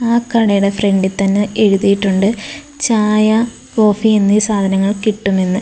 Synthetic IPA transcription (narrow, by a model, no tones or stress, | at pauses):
aːkɐɽɐjuɽefre̞ɳɖit̪ɐnːɨeɻuðijiʈːuɳɖɨ | t͡ɕaːjɐ | ko̞ːfienːiːsaːd̪ʱɐnɐŋːɐɭkiʈːumenːɨ